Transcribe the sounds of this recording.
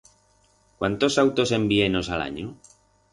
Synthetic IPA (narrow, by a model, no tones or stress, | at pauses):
kwant̪osawt̪osembienosala̰ɲu